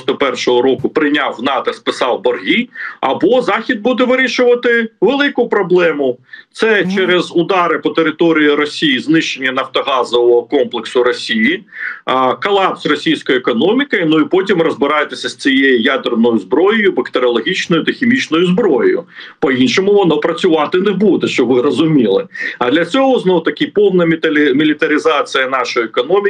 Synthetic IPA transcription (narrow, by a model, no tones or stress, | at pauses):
st̪ɔpɛrʃɔɦɔɾɔkʊpɾɪnʲɑwnɑt̪ɐspɪsɑwbɔrɦʲiɐbɔzɑxʲid̪̚bud̪ɛʋɪɾʲiʃʊʋɐt̪ɪʋelˠɪkʊpɾɔblˠɛmʊt̪sɛt͡ʃɛɾɛzʊd̪ɑɾɪpɔt̪eɾɪt̪ɔɾʲijiɾɔsʲijiznɪʃt͡ʃenʲːɐnɐft̪ɔɦɑzɔʋɔɦɔkɔmplˠeksʊɾɔsʲiji | kɐlˠɑpsʲrɔsʲijsʲkɔjʊekɔnɔmʲɪkɐnʊipɔtʲimrɔzbɪɾɑjet̪esʲɐsʲt͡sʲijejijad̪ernɔjʊzbɾɔjɔjʊbɐkt̪eɾʲɔlˠɔɦʲit͡ʃnɔjʊt̪ɐxʲemʲit͡ʃnɔjʊzbɾɔjɔjʊ̰pɔinʃɔmʊʋɔnɔpɾɐt͡sʲʊʋɑt̪ɪnebud̪ɛʃt͡ʃɔʋɪɾɔzʊmʲilˠɪɐd̪lʲɐt͡sʲɔɦɔznɔʋt̪ɐkʲɪpɔwnɐmʲit̪ɐmʲilʲɪt̪ɐɾʲɪzɑt͡sʲijɐnɑʃɔjiekɔnɔmʲɪ